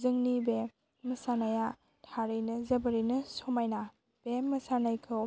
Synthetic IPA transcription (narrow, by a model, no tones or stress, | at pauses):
zɯŋnibe | mɐsanaja | tʰaɾɯjnɐzɐbɐɾɯjnɐsomajna | b̥emɐsanajkʰɯ